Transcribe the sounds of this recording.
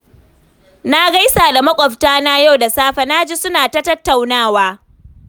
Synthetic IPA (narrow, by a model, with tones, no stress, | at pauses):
na˦ɡa˦jsaː˨da˨mɐ˦kʷʼɔ˨ɸtaː˦na˦ja˦wda˨saː˦ɸa˨na˦d͡ʒi˦sʊ˦naː˨tɐ˦tɐ˦tːa˨wnaː˦waː˦